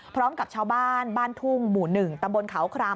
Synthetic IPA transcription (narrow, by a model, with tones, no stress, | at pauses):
pʰɾɔː˦˥mka˨˩p̚t͡ɕʰaː˧wbaː˥˩nbaː˥˩nt̪ʰu˥˩ŋmuː˨˩nɯ˨˩ŋt̪a˧mbo˧nkʰa˩˦wkʰɾaː˧